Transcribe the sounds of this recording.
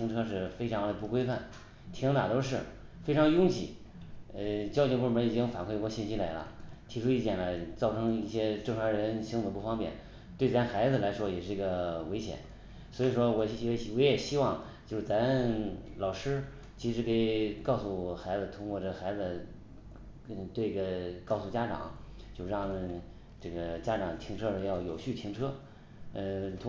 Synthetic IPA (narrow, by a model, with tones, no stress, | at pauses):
ɕi˥ŋʈ͡ʂʰɤ˥ʂɻ̩˥˩fe˥ɪʈ͡ʂʰɑ˧˥ŋd̪ə˧pu˥˩kwe˥ɪfa˥˩n | t̪ʰi˧˥ŋt̪a˨˩t̪o˥ʊʂ̬ɻ̩˥˩ | fe˥ɪʈ͡ʂʰɑ˧˥ŋjʊ˥ŋt͡ɕʰḭ˨˩˦ | ə˧t͡ɕjɑ˥ʊt͡ɕjo˧pu˥˩mə˧˥i˨˩t͡ɕi˥ŋfa̰˨˩nkʰwe˥˩˧kwɔ˧ɕi˥˩nɕi˥la˧˥ɪlə̰˧t̪ʰi˧˥ʈ͡ʂʰu˥i˥˩t͡ɕjɛ̰˨˩nə˦˩t͡sɑ˥˩ʊʈ͡ʂʰɤ˧˥ŋi˥˩ɕjɛ˥ʈ͡ʂɤ˥˩ŋʂʰwa˧˥ŋɻə˧˥nɕi˥ŋ˧ə˧pu˥˩fɑ˥ŋpjɛ̰˨˩n | t̪we˥˩ɪt͡sa˧˥nxa˧˥ɪd͡zɹ̩˧la˧˥ɪʂwɔ˥jɛ˨˩ʂɻ̩˥˩˧ɡə˧˩we˧˥ɪɕjɛ̰˨˩˦n | swɔ˧˥i˨˩ʂwɔ˥wɔ˧˥˧wɔ˧˥jɛ˨˩ɕi˥wɑ˥˩ŋ | t͡ɕjo˥˧ʂɻ̩˥˩t͡sa˧˥lɑ˨˩ʊʂɻ̩˥ | t͡ɕʰi˧˥ʂɻ̩˧˥ke˧˩ɪkɑ˥˧ʊsu˥˩xa˧˥ɪd͡zɹ̩˧t̪ʰʊ˥ŋkwɔ˥˧ʈ͡ʂɤ˥˩˧xa˧˥ɪd͡zɹ̩˧ | t̪we˥˩ɪi˧˥˩ɡə˧˩kɑ˥˧ʊsu˥˩t͡ɕja˥ʈ͡ʂɑ̰˨˩˦ŋ | t͡ɕjo˥˧ʊʂ̩˥˧ɻɑ˥˩ŋ | ʈ͡ʂɤ˥˩ɡə˩t͡ɕja˥ʈ͡ʂɑ˨˩ŋt̪ʰi˧˥ŋʈ͡ʂʰɤ˥də˧jɑ˥˩ʊjo˨˩ʊɕy˥˩t̪ʰi˧˥ŋʈ͡ʂʰɤ˥ | ə˧t̪ʰ